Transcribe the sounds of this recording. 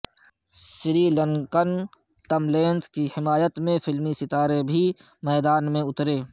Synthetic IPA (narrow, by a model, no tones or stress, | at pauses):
sɪɾiləŋkən | t̪əmleːnskihɪmaːjət̪mẽfɪlmisɪt̪aːɾebʱi | mɛːd̪aːnmẽʊt̪ɾeː